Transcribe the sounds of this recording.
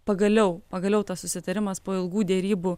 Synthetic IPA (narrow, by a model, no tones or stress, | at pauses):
pɐɡɐlʲɛʊpɐɡɐlʲɛʊt̪ɐssʊsʲɪt̪ɐɾʲɪmɐspoːɪlˠɡuːd̪ʲɛɾʲiːbʊ